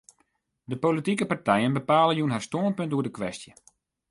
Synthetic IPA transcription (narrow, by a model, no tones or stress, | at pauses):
dəpolitikəpartɛjənbəpaːlənjunɦarstoənpøntuədəkʋɛstjə